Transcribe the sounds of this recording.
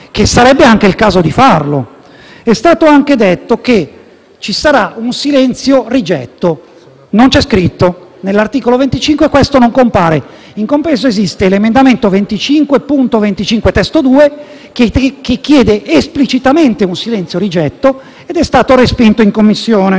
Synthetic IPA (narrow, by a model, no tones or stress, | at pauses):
kesːaɾɛbːeaŋk̟eilkaːzod̪ifarlo̰ | ɛst̪aːt̪oaŋked̪et̪ːoke | t͡ʃisaɾaunsilɛnt̪sjorid͡ʒɛ̰t̪ːo | nont͡ʃɛskɾit̪ːonelːart̪iːkolovent̪it͡ʃiŋkwekwest̪onoŋkompaːɾe | iŋkompɾɛːzoezist̪elemend̪ament̪ovent̪it͡ʃiŋkwepunt̪ovent̪it͡ʃiŋkwet̪ɛst̪od̪uːe | kekek̟ːjɛːd̪eʔesplit͡ʃit̪ament̪eunsilɛnt̪sjoɾid͡ʒɛt̪ːo | ed̪ɛst̪aːt̪oɾespint̪oiŋkomːisːjoːne